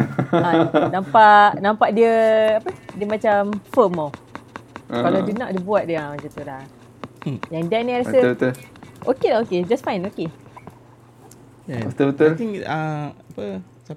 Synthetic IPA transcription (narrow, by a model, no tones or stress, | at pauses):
anãmpaʔnãmpaʔ̚diəapədiəmat͡ʃamfəmaw | kaladinaʔ̚dəbuat̪̚diamat͡ʃat̪ula | jaŋdɛʔniaɾaəbət̪ʊʔokelaoked͡ʒasfaj̃noke | ət̪əbət̪ʊt̪ĩŋaapə | sa